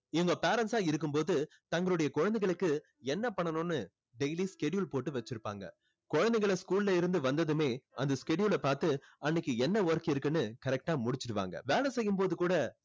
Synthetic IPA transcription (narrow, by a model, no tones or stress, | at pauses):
ɪɐŋɡɐpeːɾɐnsaːɪɾɯk̬ːɯmpoːðɯ | t̪ɐŋɡɐɭɯɽɐjɐkɔɻɐnd̪ɐɪɣɐɭɯkːɯ | ɛnːɐpɐɳːɐnoːnːɯ | ɖɛjliskɛɖjuːlpoːʈːɯʋɐt͡ʃːɪɾɯpːa̰ːŋɡɐ̰ | kɔɻɐnd̪ɛɪɣɐɭɐskuːllɐɪɾɯnd̪ɯʋɐnd̪ɐðɯmeːɐnd̪ɐskɛɖjuːlɐpaːɾt̪ɯɐnːɪkːɯɛnːɐɔɾkɪɪɾɯkːɯnːɯkɐɾɛk̚ʈaːmʊɽɪt͡ʃːɯɾɯʋa̰ːŋɡɐ̰ʋeːɭɐsɛjːɯmp̬oːðɯkuːɽɐ